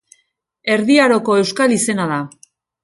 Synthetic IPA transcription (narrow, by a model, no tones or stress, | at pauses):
e̞ɾðiaɾo̞ko̞e̞wskalise̞nað̞a